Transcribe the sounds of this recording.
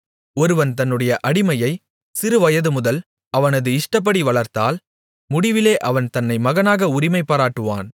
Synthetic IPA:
ɔɾɯʋɐnt̪ɐnːɯɽɐjɐʔɐɽɪmɐjɐɪ | sɪɾɯʋɐjɐðɯmʊðɐl | ɐʋɐnɐðɯɪʂʈɐp̬ːɐɽiʋɐɭɐɾt̪a̰ːl | mʊɽɪʋɪleːʔɐʋɐnt̪ɐnːɐɪmɐɣɐnaːɣɐʊɾɪmɐɪpːaːɾaːʈːɯʋa̰ːn

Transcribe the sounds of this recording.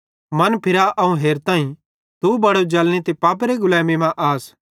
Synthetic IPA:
mɐnpʰɪɾaʔɐũɦeːɾt̪ãːĩ | t̪ubɐɽod͡ʒɐlñet̪epaːp̬ɾeɡʊlɛːmemãʔaːs

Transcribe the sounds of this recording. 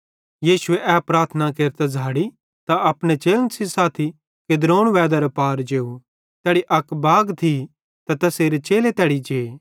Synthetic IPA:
jiːsʊeʔɛːpɾaːɾt̪ʰənakeːɾt̪ad͡zʱaːɽi | t̪aɐpɽ̃et͡ʃeːlnsisaːt̪ʰi | ked̪ɾoːɽ̃ʋɛːd̪ɐɾopaːɾd͡ʒeːu | t̪ɛːɽiʔɐkbaːɡt̪ʰi | t̪at̪ɐseːɾet͡ʃeːlet̪ɛːɽid͡ʒeː

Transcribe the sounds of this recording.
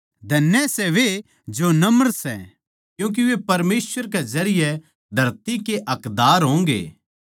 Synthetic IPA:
d̪ʱɐnːjɛsɛʋe | d͡ʒonɐməɾsɛ̰ | kjũːk̬iʋepɐɾmeːswəɾkɛzɐɾɪjɛ | d̪ʱɐɾt̪ikeʔɐkd̪aːɾɦõːŋɡḛː

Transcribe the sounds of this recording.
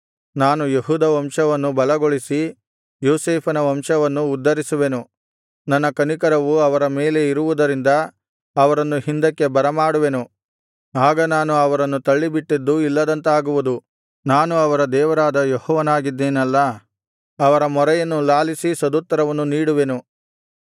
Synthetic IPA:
naːnujeɦuːd̪ɐʋɐmʂɐʋɐnːubɐlɐɡoɭisi | joːseːpʰɐnɐʋɐmʂɐʋɐnːuːd̪ːɐɾisuʋe̞nu | nɐnːɐkɐnikɐɾɐʋuɐʋɐɾɐme̞ːle̞iɾuʋud̪ɐɾind̪ɐː | ʋɐɾɐnːuhind̪ɐkːe̞bɐɾɐmaːɽuʋe̞nu | aːɡɐnaːnuɐʋɐɾɐnːut̪ɐɭːibiʈːid̪ːuilːɐd̪ɐnt̪ɐaːɡuʋud̪u | naːnuɐʋɐɾɐd̪ɛːʋɐɾaːd̪ɐjɔhɔːʋɐnaːɡid̪ːeːnɐlːɐ | ɐʋɐɾɐmɔɾɛjɐnːulaːlisisɐd̪uːt̪ːɐɾɐʋɐnːuniːɽuʋe̞nu

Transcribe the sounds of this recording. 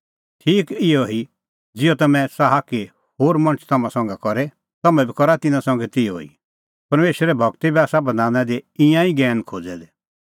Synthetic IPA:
tʰiːkɪjɔɦi | d͡zɪjɔt̪ɐmɛ̃saɦake | hoːɾmɐ̃ñt͡ʃʰt̪ɐmãsɔ̃ŋɡakɔɾɛ | t̪ɐmɛ̃bikɔɾat̪ɪnãsɔ̃ŋɡɛt̪ɪoḭ | pɐɾmeːʃɾɛbʱɐɡt̪ibiaːsabɐd̪aːnãd̪eɪ̃jãiɡɛːnkʰoːd͡zɛd̪ɛ

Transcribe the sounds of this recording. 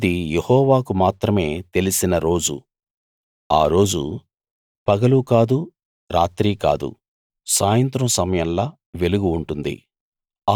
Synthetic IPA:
d̪ijehɔːʋaːkumaːt̪ɾɐme̞ːt̪e̞lisinɐɾo̞ːd͡ʒṵ | a̰ːɾo̞ːd͡ʒṵ | pɐɡɐlukaːd̪u | ɾaːt̪ɾiːka̰ːd̪ṵ | saːjɐnt̪ɾɐmsɐmɐjɐllaː | ʋe̞luɡuːɳʈund̪ḭ | a

